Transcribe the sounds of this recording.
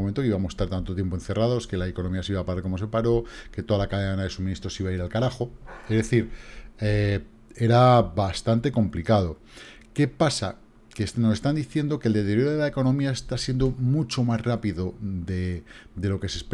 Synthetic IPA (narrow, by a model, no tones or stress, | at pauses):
mẽnt̪okiβamosest̪aɾt̪ant̪ot̪je̞mpoe̞n̟θe̞raðo̞ske̞laeko̞nomiasiβapaɾaɾkomo̞s̬e̞paɾo̞ke̞t̪o̞ðalakaðeanaðe̞suminist̪ɾo̞siβaiɾalkaɾaxo̞ezðe̞θiɾe | e̞ɾabast̪ant̪e̞ko̞mplikað̞o̞ | ke̞pasa | kesnose̞st̪and̪iθje̞nd̪o̞keld̪e̞t̪eɾjoɾoðelaeko̞nõ̞miaest̪asjend̪omut͡ʃo̞mazrapiðo̞ded̪e̞lo̞ke̞sesp